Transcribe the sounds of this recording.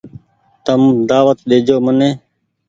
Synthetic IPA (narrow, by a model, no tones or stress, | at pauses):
t̪əmd̪aːʋət̪ɗeːd͡ʒoːmənẽː